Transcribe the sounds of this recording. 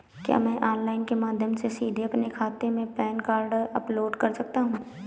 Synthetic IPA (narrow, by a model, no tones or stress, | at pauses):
kja̰ːmɛ̃ʔɔːnlaːɪnkemaːd̪ʱjəmsesiːd̪ʱeɐpnekʰaːt̪emẽpɛːnkaːɾɖɐploːɖkɐɾsɐk̚t̪aɦũː